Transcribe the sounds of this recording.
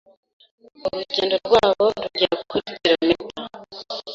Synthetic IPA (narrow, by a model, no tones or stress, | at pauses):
oɾuɟeːndo̞ɾɡwaːβo̞ɾuɟiɾakukʰutitiɾamita